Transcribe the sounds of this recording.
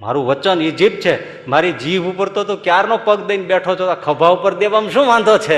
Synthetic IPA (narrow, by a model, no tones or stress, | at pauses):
ma̰ɾũʋət͡ʃənid͡ʒip̚t͡ʃʰe | maɾid͡ʒiʋupəɾt̪ot̪okjaɾnopəɡd̪əinbɛʈʰot͡ʃʰoakʰəbʱaupəɾd̪eʋamʃũʋãnd̪ʱot͡ʃʰe